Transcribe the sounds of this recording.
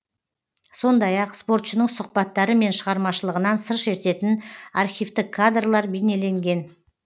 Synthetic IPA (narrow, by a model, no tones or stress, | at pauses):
so̞nd̪ɑjɑqspo̞ɾt̪ʃənəɴsʊqpɑt̪ːɑɾəme̞nʃəʁɑɾmɑʃəlˠəʁənɑnsəɾʃe̞ɾt̪e̞t̪ɪnaɾχʲijvt̪ɪkʰːad̪rlˠɑɾbejne̞le̞ŋɡʲe̞n